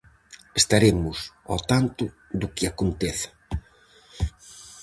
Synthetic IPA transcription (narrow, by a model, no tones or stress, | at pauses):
est̪aɾemʊsɔt̪ant̪ʊ | ðʊkɪakont̪eθɐ̥